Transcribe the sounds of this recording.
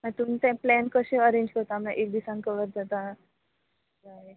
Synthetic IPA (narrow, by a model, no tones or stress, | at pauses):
mat̪um̤iːt̪ãplɛnkəɕẽəɾẽɲd͡ʑkəɾt̪am̤ãʔek̚d̪isãŋkəʋəɾd͡zat̪a | d͡zaɦe